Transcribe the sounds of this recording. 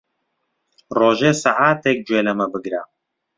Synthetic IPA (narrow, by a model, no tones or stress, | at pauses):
roːʒeːsaʕaːt̪ek̚d͡ʒweːlɐmɐbɨɡɾa